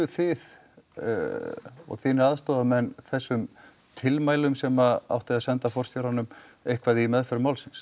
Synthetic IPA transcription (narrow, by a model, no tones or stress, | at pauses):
θɪð̰ | ɔ̰ɣθiːnɪɾaðst̪ɔːðamɛnːθɛsːʏm | t̪ʰɪlmaːjlʏmsɛmaa̰wht̪ɪðaðsɛnt̪afɔr̥st̪jowɾanːʏmejhkvaðiimɛðfɛɾmaːwlsɪns